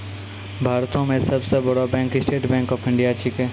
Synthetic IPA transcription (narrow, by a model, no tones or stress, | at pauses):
bʱaːɾt̪õmẽsɐbsebɐɽabɛ̃ːŋksʈeːʈbɛ̃ːŋkɔːpʰɪ̃ɳɖijat͡ʃike